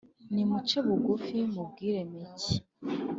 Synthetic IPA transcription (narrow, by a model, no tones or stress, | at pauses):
nimut͡ʃeβuɡufimub̚ɡiɾemici